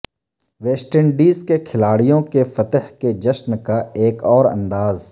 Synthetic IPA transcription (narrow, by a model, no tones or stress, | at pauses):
ʋeːsʈəɳɖiːzkekʰɪlaːɽijõkefɐt̪əɦked͡ʒɐʃnkaeːkɔːɾɐ̰̃nd̪aːz